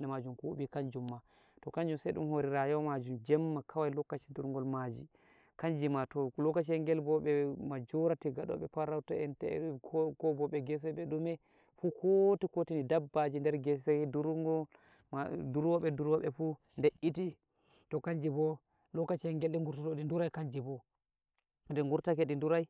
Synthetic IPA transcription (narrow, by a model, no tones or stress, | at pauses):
lɗɛmad͡ʒumkuuɓikaɲd͡ʒumːa | tɔkaɲd͡ʒumsajɗṵmhoɾiɾajɔmad͡ʒumd͡ʒɛmːakʰawajlɔkːat͡ʃi̥duɾŋɡɔlmad͡ʒḭ | kaɲd͡ʒimatɔlɔkːat͡ʃɛŋɡɛlbɔɓɛmad͡ʒuɾatiɡaɗɔ̰ɓɛpaɾawtaɛntɛ̰kɔbɔɓɛɡɛs̬ɔɓɛɗumɛ | fukʰotikotinidabːad͡ʒindɛɾɡɛsakiduɾɡɔ | maduɾwɔɓɛduɾwaɓɛfu | ndeʔiti | tɔkaɲd͡ʒibɔ | lɔkːat͡ʃiɛŋɡɛlɗɛŋɡuɾtatɔɗinduɾajkaɲd͡ʒibɔ | ndɛŋɡuɾtakɛɗinduɾaj